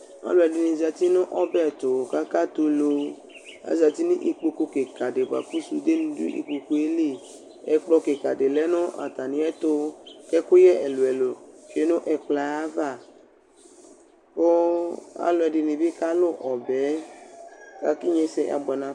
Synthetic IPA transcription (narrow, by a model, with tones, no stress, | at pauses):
a̰˨lʊ˨˦ɛ˨dɪ˨nĩ˨za˨t̪i˦nʊ̃˦ʔɔ˦bɛ˦˨t̪o˨ka˦ka˦t̪o˦lo˧ | a̰˨za˨t̪i˦nĩ˦ʔi˨k͡po˧ko˧ke˨ka˨de˨ba̰˨ku˦su˧d̪e˦nũ˦dṵ˦ʔḭ˨k͡po˨ko˦e˦le˦˨ | ɛ̰˨k͡plɔ˧ke˨ka˨de˨lɛ˦nʊ̃˦ʔa̰˨t̪a˨nĩ˨˦ɛ˦t̪o˦kɛ˦kʊ˦jɛ˦ʔɛ˨lo˨ɛ˨lo˨ʃe˦nʊ̃˦ʔɛ˨k͡pla˨a˦va˦˨ | ko˦a̰˨lʊ˨˦ɛ˨dɪ˨nĩ˨bi˦ka˦lʊ˦˨ʔɔ˨bɛ˨˦ | ka˨ki˦ɲẽ˦se˦ʔa̰˨bɔ˨nã˨